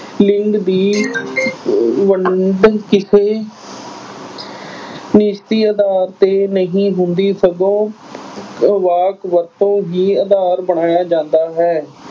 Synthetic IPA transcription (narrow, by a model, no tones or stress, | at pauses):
lɪŋkd̪iː | ʋəɳɖkɪsʰeː | nɪʃt̪iːəd̪aːɾt̪eːnəɦĩːɦʊnd̪iːsəɡ̪õː | ʋaːkʋəɾt̪õːɦiːəd̪aːɾbəɳaːjaːd͡ʒãːnd̪aːɦɛː